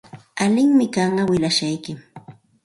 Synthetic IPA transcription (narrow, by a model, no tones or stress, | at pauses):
alɪŋmɪkɑɴɢɑwɪlaʃajkɪ